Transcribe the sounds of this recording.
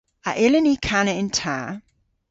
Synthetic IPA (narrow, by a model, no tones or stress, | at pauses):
aʔɪlɪnikʰanəɪ̃ntʰa